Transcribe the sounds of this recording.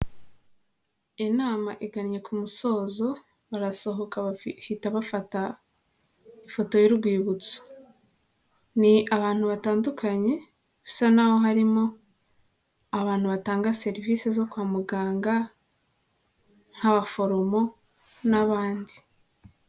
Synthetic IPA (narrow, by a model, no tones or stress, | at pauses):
enaːmaʔiɡaniɲe̞kumuso̞ːzo̞ | βaɾaso̞ɦo̞kahitaβafata | ifo̞to̞juɾɡwiːβut͡so̥ | niaβaːn̥huβataːndukʰaɲe̞ | βusanaho̞ɦaɾimo̞ | aβaːn̥huβataːŋɡase̞ɾivise̞zo̞kwaːmuɡaːŋɡa | ŋ̥haβafo̞ɾo̞mo̞ | naβaːndi